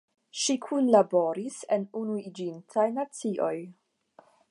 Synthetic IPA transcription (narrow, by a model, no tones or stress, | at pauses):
ʃikʰunlabo̞ɾisenunuid͡ʒintʰajnat͡siʔo̞j